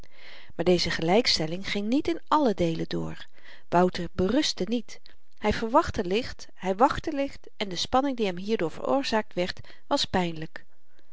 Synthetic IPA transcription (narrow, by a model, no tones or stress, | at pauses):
maːɹdejzəχəlɛjkstɛlɪŋχɪŋnitɪnʔɑlədejlədʊ̰ːɹ | ʋʌwtəɹbərɵstənit | hɛjv̥əɹʋɑχtəlɪχt | ɦɛjʋɑχtəlɪχt | ɛndəspɑnɪŋdiɦɛmɦiːɹdʊːɹv̥ə̰ɹo̰ːɹz̥aːk̚tʋɛɹt | ʋɑspɛjnlək